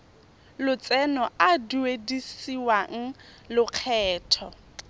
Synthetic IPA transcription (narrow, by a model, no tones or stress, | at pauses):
lʊt͡sɛnɔaduedisiwaŋ̩lʊq͡χʰɛːtʰɔ